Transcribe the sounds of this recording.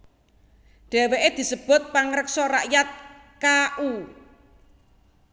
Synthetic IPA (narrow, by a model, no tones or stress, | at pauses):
ɖ̥ɛ̤weʔed̪̥i̤səb̥ʊ̤t̪̚paŋɾəksɔra̰ʔjat̪̚ | kaʔu